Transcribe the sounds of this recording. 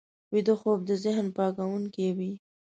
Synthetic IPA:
wid̪oxob̚d̪əzɪɦnpɑɡawuŋkewi

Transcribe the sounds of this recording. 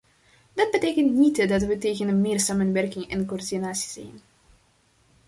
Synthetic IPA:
dɑd̚bəteːkəntnitdɑtʋəteːɣənəmɪːrsaːmənʋɛrkɪŋɛ̰nkoːrdinaːsi̥z̥ɛ̰jn

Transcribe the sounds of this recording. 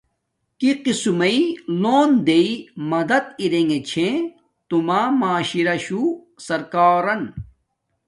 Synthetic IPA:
kiqisumɐiloːnd̪eimɐd̪ɐt̪iɾeŋɡet͡ɕʰẽ | t̪umaːmaːɕiɾɐɕu | sɐɾkaːɾɐn

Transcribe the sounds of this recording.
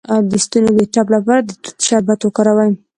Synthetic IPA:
awd̪əst̪unoweʈaplapɑɾad̪ət̪ʃabat̪wokaɾawaj

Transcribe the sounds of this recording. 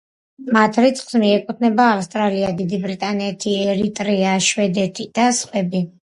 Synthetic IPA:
mat̪ʰɾit̪sʰʼχsmiɛkʼut̪ʰnɛbaːfst̪ʼɾaliad̪id̪ibɾit̪ʼanɛt̪ʰiɛɾit̪ʼɾiaʃwɛd̪ɛt̪ʰid̪̥asχwɛbi

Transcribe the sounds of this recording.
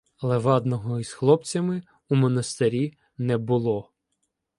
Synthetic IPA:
ɐlˠɛʋɑd̪nɔɦɔisxlˠɔpt͡sʲɐmɪ | umɔnɐst̪ɪɾʲi | nɛbʊlˠɔ

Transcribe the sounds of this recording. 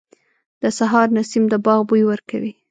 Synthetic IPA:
d̪̥əsaɦɑɾnasimd̪əbɑɣbujwəɾka̰wi

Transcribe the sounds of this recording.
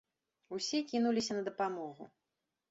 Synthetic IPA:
usʲɛkʲinulʲisʲɐnɐd̪ɐpamɔɣṵ

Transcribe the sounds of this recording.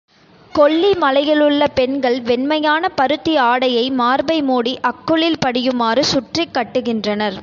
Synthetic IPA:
kɔɭːimɐlɐjɪlɯɭːɐpɛnɡɐɭʋɛnmɐjaːnɐpɐɾɯt̪ːiaːɽɐjɐɪmaːɾbɐɪmuːɽiʔɐkːɯɭɪlpɐɽɪjɯmaːrɯsʊʈrɪkːɐʈːɯɣɪndrɐnɐɾ

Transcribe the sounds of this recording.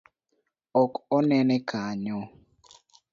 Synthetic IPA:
ɔkɔnɛnɛkʰaɲo

